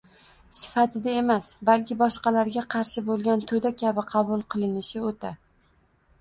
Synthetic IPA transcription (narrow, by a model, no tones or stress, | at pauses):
sɪ̥fat̪ʰɪd̪ae̞masbalkʲʰɪbɒʃqɑlaɾɡʲaqʰɑɾʃɪbolˠɡʲant̪ʰod̪akʲʰabɪqʰɑbʊlˠqʰɨlˠɪnɪʃɪot̪ʰa